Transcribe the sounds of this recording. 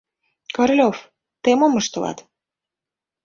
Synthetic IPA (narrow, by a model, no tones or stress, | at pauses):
kɑrlʲof | t̪emoməʃt̪ɤ̆lɑ̰t̪